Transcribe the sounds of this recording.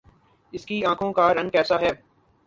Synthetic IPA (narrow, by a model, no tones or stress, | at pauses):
ɪskiãːkʰõkaɾɐ̃nkɛːsaɦɛː